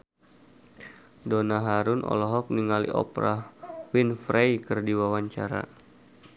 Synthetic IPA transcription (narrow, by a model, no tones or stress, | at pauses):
donaɦaɾʊnʔɔ̰lɔɦɔk̚niŋalḭʔɔ̰pɾahwinfɾejkərdiwawaɲt͡ʃaɾa̰